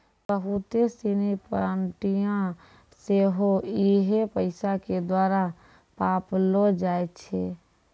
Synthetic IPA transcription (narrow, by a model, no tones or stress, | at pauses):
bəɦʊt̪esinipɾaɳʈijã | seɦoiɦepəɪsaked̪waːɾa | paːplod͡ʒaːett͡ʃʰe